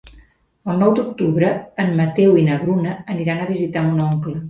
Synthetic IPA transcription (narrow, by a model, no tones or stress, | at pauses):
əlˠnɔwd̪uk̚t̪uβɾəːnmət̪ɛwinəβɾunəːniɾanəβizit̪aunɔŋklə